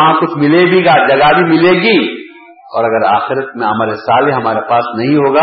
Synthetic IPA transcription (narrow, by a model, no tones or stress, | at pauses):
ɦãkʊt͡ʃʰmɪleːbʱiɡaːd͡ʒɐɡabʱimɪleːɡiː | ɔːɾɐɡəɾa̰ːxɪɾət̪mẽɐmaːɾesaːleɦɐmaːɾepaːsnɐɦĩɦoːɡaː